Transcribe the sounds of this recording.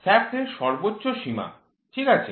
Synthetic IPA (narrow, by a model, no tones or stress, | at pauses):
sɛftʰeɾʃɔɾbotːɕoʃima̰ | ʈʰikat͡ɕʰe